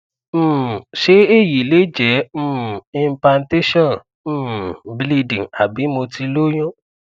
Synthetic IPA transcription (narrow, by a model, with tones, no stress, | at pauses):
m̩˦˨ʃe˨˦e˦˨ji˨le˨˦d͡ʒɛ˨˦m̩ː˦˨ĩ˧m˦pla˧n˦te˦ʃɔ̃˦˨ñ̩ː˦ | bli˧dĩ˨ŋa˨bi˨˦mo˧ti˧lo˦j̃ɔ̃˦